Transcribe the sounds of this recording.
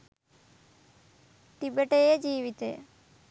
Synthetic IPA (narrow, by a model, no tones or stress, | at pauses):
ʈibeʈejed͡ʒiːʋit̪ḛ